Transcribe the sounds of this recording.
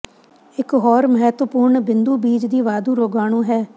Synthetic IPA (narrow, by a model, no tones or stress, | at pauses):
ɪkɦɔːɾməɦɛt̪ʋəpuːɾɳbɪnd̪uːbiːd͡ʒd̪iːʋaːd̪uːɾoːɡaːɳ̃ũːɦɛː